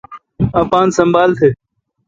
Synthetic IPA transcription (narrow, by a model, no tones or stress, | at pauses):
ãːpãːnsə̃mbaːlt̪ʰeː